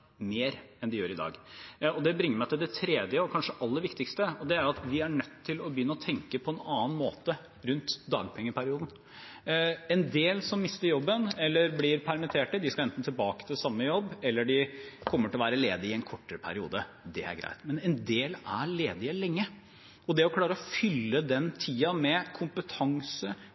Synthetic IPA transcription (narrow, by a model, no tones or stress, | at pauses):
meːɾɛnd̪ɪjøːɾɪd̪ɑ̰ːɡɔd̪ɛbɾɪŋːəɾmæɪt̪ɪld̪ɛt̪ʰɾeːd̪jəɔkʰɑnʂəʔɑlːəɾʋɪkt̪ɪkst̪əɔd̪ɛæjʊɑt̪ʋɪæɳœt̪ʰːɪlɔbjʏnːəɔt̪ʰɛŋkəpʰɔɛnɑːn̩mo̰ːt̪ə | ɾʉnt̪d̪ɑ̰ːɡpʰɛŋːəpʰæɾɪuːd̪n̩ | ɛnd̪eːlsɔmːɪst̪əɾjɔbːənɛlːəɾblɪɾpʰæɾmɪt̪ʰeːʈəd̪ɪskɑlɛnt̪n̩t̪ʰɪlbɑːkə̥t̪ʰɪlsɑmːəjɔbːɛlːəɖɪkʰɔmːəʈɪlɔʋæːɾəleːd̪ɪɪɛnkʰɔʈːəɾəpʰæ̰ɾɪṵːd̪ə | d̪ɛ̰æ̰ɾɡɾæ̰ɪt̪mɛnɛnd̪eːlæ̰ɾleːd̪ɪəlɛŋːə | ɔd̪ɛɔkʰlɑːɾəɔfʏlːəd̪ɛnt̪ʰiːɑmɛkʰʊmpət̪ʰɑŋsə